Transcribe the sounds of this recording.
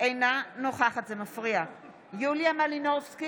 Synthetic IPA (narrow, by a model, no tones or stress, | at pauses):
ejnanoχaχat̪zemafʁia | julijamalinofski